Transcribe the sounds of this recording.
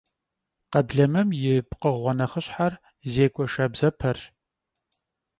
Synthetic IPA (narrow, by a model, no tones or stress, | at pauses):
qɐbɮɐmɐmjɪpqəʁʷɔnɐχəɕħar | zeːkʷʼɔʃɐbzɐpʰɐr